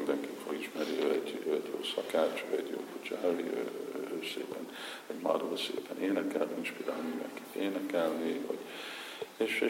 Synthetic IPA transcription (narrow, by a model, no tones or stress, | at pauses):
nd̪ɛŋkifoɡiʃmɛɾiøɛɟøt̪o̰ːsɒkaːt͡ʃivɛ̰ɟo̰ːkut͡ʃɑɦɛviø̰øːsḛːpɛn | ɛɟma̰doosḛːpɛnʔeːnɛkɛlniiʃpid̪almind̪ɛ̰ŋki̥t̪eːnɛkɛlniho̰ɟ | eːʃe